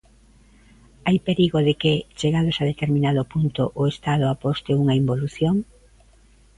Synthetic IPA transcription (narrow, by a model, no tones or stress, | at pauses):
ajpeɾiɣoðɪket͡ʃeɣaðosaðet̪eɾmĩnaðʊpunt̪ʊʔʊest̪að̞ʊapost̪ɪuŋɐimboluθjoŋ